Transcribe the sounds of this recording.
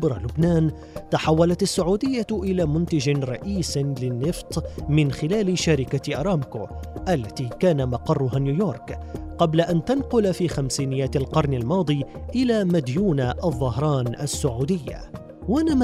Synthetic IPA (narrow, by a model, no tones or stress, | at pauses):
bɾˤɑlʊbnaːn | t̪aħawːalat̪asːʊʕuːd̪ɪjːaʔɪlaːmʊnt̪ad͡ʒɪɾˤɑʔiːslɪnːɪft̪ˤmɪnxɪlaːlɪʃaɾɪkaʔɑɾˤɑːmkoːʔalːat̪iːkaːnamɑqɑrˤːʊɦaːnjuːjoːɾˤkqɑblaʔant̪anqʊlfiːxamsiːnɪjaːt̪alqɑɾˤnalmɑːd̪ˤiʔɪlaːmad̪juːnaʔɑðˤːɑɦɾˤɑːnʔasːʊʕuːd̪ɪjːa̰ | wanam